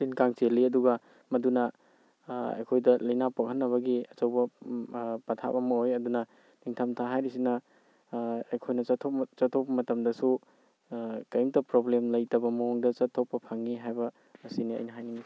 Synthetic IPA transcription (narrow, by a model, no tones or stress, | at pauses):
pinkaŋt͡ʃeliɐduɡɐ | mɐdunɐ | ɐ̰jkʰojdɐlɐjnapok̚hɐnːɐβɐɡiɐt͡ʃɐwbɐ | pɐtʰa̰pɐmɐojɐdunɐ | niŋtʰamtʰaɦajɾis̬inɐ | ɐjkʰojnɐɐtʰopt͡ʃɐtʰopɐmɐtɐmdɐsu | kɐjmtɐpɾoblemlɐjtɐbɐmɐoŋdɐt͡ʃɐtʰːopːɐpʰɐŋːiɦajbɐ | ɐsiniɐ̰jnɐɦajnimɐ